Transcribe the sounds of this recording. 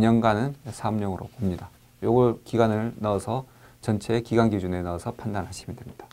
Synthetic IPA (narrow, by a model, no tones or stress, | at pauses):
ɲʌnɡanɯnsʰamɲʌŋɯɾopomɲida | joɡʌɭkiɡwanɯɭnaʌsʰʌ | t͡ɕʌnt͡ɕʰe̞kiɡwanɡid͡ʑune̞naʌsʰʌpʰandanɦaɕʰimindwemɲid̥ḁ